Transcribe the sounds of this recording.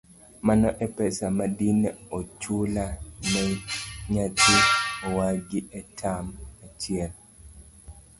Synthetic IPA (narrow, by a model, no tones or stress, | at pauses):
manɔʔɛpɛsamadineot͡ʃulanɛɲatiowaɡɪʔɛtʰamat͡ʃɪɛl